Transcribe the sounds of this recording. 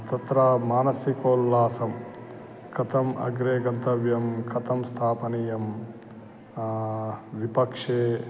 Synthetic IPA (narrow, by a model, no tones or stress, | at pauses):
t̪ɐt̪ɾamaːnɐsikoːlːaːsɐm | kɐt̪ʰɐmɐ̰ɡɾeːɡɐnt̪ɐʋjɐmkʰɐt̪ɐmst̪ʰaːpɐnijɐm | ʋipɐkʂeː